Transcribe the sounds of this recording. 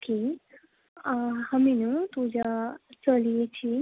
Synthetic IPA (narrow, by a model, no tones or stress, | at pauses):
ki | həminut̪ud͡ʑat͡səlijet͡ɕiː